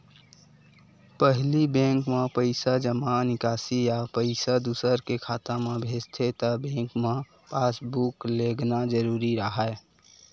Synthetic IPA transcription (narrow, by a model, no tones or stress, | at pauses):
pəɦlibẽːŋkmẽpəɪsad͡ʒəmanɪkaːsijapəɪsad̪uːsəɾkekʰaːt̪ãmẽbʱeːd͡ʒt̪ʰet̪əbẽːŋkmẽ | paːsbukleːɡnad͡ʒəɾuːɾiɾəɦa